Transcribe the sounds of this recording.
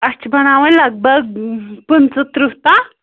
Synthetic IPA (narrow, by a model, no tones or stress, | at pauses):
əst͡ɕbʱəɽ̃aʋələɡ̚bəɡ̚punt͡sət̪ɾuɦt̪a